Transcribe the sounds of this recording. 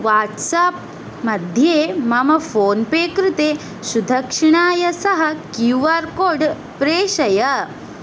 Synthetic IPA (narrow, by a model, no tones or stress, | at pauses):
ʋaːʈsaːp̚ | mɐd̪ʱjeːmɐmɐfʰoːnpeːkɾɪt̪eː | ʃud̪ʱɐkʂiɳaːjɐsɐɦɐkjuʋaːɾkoːɖ | pɾeːʃɐjɐ